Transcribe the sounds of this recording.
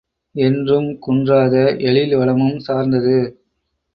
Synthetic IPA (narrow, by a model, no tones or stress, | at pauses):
ɛndrɯmkʊndraːðɐʔɛɭɪlʋɐɭɐmɯmsaːɾnd̪ɐðɯ